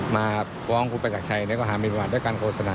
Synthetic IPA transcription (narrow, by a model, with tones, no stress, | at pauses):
maː˧ | kɔː˧˦˥ŋkʰuː˧pa˧jt͡ɕaː˨˩k̚t͡ɕʰa˧jniː˦˥kɔː˥˩ɦaː˩˦miː˧pa˧baː˨˩t̪̚djkaː˧nkʰoː˧˩sa˧naː˧